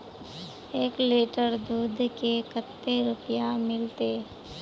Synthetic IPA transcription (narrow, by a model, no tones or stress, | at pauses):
eːkleːʈəɾd̪uːd̪ʱkekət̪ːeɾʊpjamɪlt̪e